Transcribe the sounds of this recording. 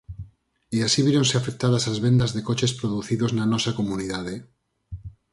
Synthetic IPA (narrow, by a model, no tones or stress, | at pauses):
iasiβiɾõnseafek̚t̪að̞asazβend̪azðekot͡ʃespɾoðuθiðoznanɔsakomuniðaðe